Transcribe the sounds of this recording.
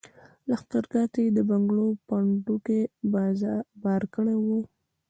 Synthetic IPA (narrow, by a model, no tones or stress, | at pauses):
laxt̪aɾɡɑt̪ed̪əbaŋɡlopaɳɖukebbɑɾkəɽewu